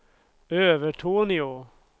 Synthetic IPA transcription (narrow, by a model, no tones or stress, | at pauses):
øːʋəʈʰuːnɪo